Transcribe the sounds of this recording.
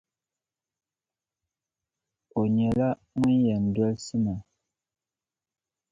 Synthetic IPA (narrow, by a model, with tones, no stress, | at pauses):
o˨ɲɛ˨la˦ | ŋu˦njɛ˨n˨dwɔ˦lsi˦ma˨